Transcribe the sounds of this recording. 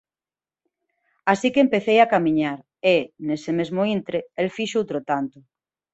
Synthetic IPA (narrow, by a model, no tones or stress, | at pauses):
asikempeθejakamĩɲaɾ | enesemezmoint̪ɾeelfiʃowt̪ɾot̪ant̪ʊ